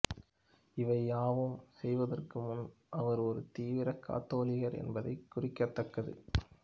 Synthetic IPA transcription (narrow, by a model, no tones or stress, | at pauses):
ɪʋɐɪaːʋɯmsɛjʋɐðɐrkɯmʊn | ʔɐʋɐɾɔɾɯt̪iːʋɪɾɐkːa̰ːt̪ːoːlɪɣɐɾɛ̰nbɐðɐ̰ɪkːʊrɪkːɐt̪ːɐkːɐðɯ̰